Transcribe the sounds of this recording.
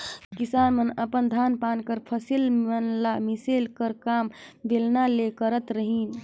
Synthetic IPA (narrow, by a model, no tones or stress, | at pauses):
kisanmənəpənd̪ʱanpankəɾpʰəsilmənlamiselkəɾkambelnalekəɾət̪ɾəɦin